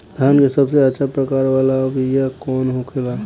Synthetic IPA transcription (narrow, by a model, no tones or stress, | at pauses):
d̪ʱjaːnkesɐbseətːʃʰapɾəkaːɾʋaːlabijakɔːnɦokʰela